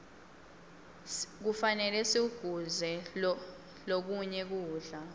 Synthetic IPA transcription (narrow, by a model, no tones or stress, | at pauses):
k̬ufanɛlɛsiuɡ̥ʱuzɛ | lok̬uɲɛk̬uːɮa